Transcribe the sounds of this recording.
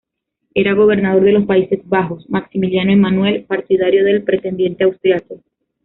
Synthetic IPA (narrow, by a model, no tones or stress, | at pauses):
e̞ɾaɣo̞β̞e̞ɾnað̞o̞ɾðe̞lo̞spaise̞zβaxo̞smaksimiljanoemanwe̞lpaɾt̪iðaɾjo̞ðe̞lpɾe̞t̪e̞nd̪jent̪e̞awst̪ɾjako